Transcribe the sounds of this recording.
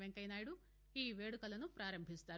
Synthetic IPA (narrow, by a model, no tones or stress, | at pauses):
ʋeŋkɐjnaːjɽu | iːʋe̞ːɽukɐlɐnupɾaːɾɐmbʱist̪aːɾ